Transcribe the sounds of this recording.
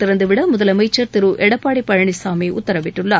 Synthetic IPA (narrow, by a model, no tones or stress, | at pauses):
t̪ɪɾɐnd̪ɯʋɪɽɐmʊðɐlɐmɐɪt͡ʃːɐɾt̪ɪɾɯʔɛɽɐpːaːɽipːɐɻɐɳɪsaːmeːʔʊt̪ːɐɾɐʋɪʈːɯɭːa